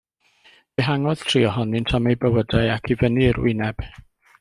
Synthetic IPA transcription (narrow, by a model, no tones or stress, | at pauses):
b̥ɛɦaŋɔð̥tʰriːɔɦɔnintʰamejbəwədaɨakʰivənirwɪ̰nɛb̥